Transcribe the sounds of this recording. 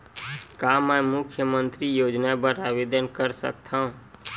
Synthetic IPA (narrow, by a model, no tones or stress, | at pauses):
kamãmʊkʰjəmənt̪ɾijod͡ʒnabəɾaʋid̪ənkəɾsə̰kt̪ʰaũ